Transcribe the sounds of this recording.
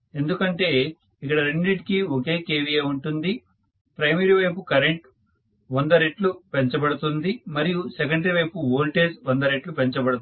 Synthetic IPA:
e̞nd̪ukɐɳʈe̞ː | ikːɐɽɐɾeɳɖɾiʈkioke̞ːkeːʋijeːuɳʈund̪i | pɾɐjmiɾiʋɐjpukɐɾeɳʈ | ʋond̪ɐɾeʈlupeɲt͡ʃɐbɐɽut̪und̪imɐɾijusekɐɳɖeʋɐjpuʋoːlʈeːsʋɐnd̪ɐɾeʈlupeɲt͡ʃɐbɐɽut̪

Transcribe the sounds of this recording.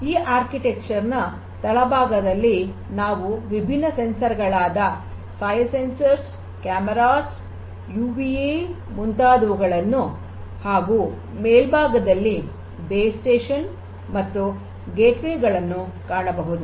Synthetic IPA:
iːʔaːɾkiʈekt͡ʃɐɾnɐ | t̪ɐɭɐbʱaːɡɐd̪ɐlːi | naːʋuʋibʱinːɐsensɐɾɡɐɭaːd̪ɐ | sɐːjsensɐɾs | kaːmɐɾaːs | juːbie | munt̪aːd̪ɐʋuɡɐɭɐnːu | haːɡuː | meːlbʱaːɡɐd̪ɐlːi | beːsʈeːʂɐn | mɐt̪ːu | ɡeːʈʋeːɡɐɭɐnːukaːɳɐbɐɦud̪u

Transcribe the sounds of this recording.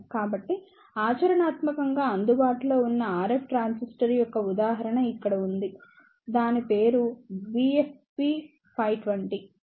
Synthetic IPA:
kaːbɐʈːi | aːt͡ʃɐɾɐɳaːt̪mɐkɐŋɡaːɐnd̪ubaːʈulo̞ːunːɐaːɾepʰʈɾaːnsisʈɐɾjɔkːɐud̪aːɦɐɾɐɳɐikːɐɽɐund̪i | d̪aːnipe̞ːɾubiefpi | pʰɐjʈʋɐɳʈi

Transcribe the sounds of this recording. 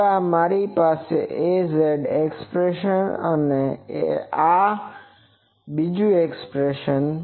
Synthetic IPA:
amaɾipaseʔezeɖekspɾeʃənə̰neḛa | bid͡ʒũekspɾeʃən

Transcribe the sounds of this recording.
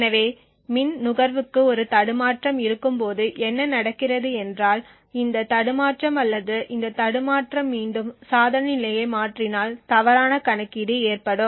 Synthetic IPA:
nɐʋeː | mɪnnʊɣɐɾʋɯkːɯɔɾɯt̪ɐɽɯmaːʈrɐmɪɾɯkːɯmpoːðɯʔɛnːɐnɐɽɐkːɪrɐðɯɛndraːl | ɪnd̪ɐt̪ɐɽɯmaːʈrɐmɐlːɐðɯʔɪnd̪ɐt̪ɐɽɯmaːʈrɐmːiːɳɖɯmsaːðɐnɐɪlɐjɐɪmaːʈrɪnaːlt̪ɐʋɐɾaːnɐkɐɳɐkːiɽieːrpɐɽɯm

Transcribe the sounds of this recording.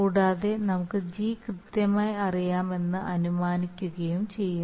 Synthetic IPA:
uːɽaːðe̞nɐmukːɨd͡ʑiːkrɨt̪jɐmaːjiɐrijaːme̞nːɨʔɐnumaːnikʲːuɣɐjumt͡ɕe̞jːun

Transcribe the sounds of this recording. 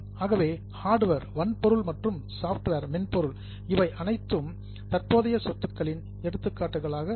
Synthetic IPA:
aːɣɐʋeː | haːɾɖʋɐɾʋɐnpɔɾɯɭmɐʈrɯmsaːfʈʋeɾmɛnpɔɾɯɭ | ɪʋɐɪʔɐnɐɪt̪ːɯm | t̪ɐrpoːðɐjɐsɔt̪ːɯkːɐɭɪn | ɛɽɯt̪ːɯkːaːʈːɯɣɐɭaːɣɐ

